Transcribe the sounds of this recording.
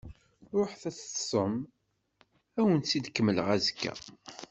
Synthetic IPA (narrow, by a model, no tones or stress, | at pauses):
ɾˤoħθæt͡sːsəm | æwənsid̪kːəmːələʁæzəkːæ̰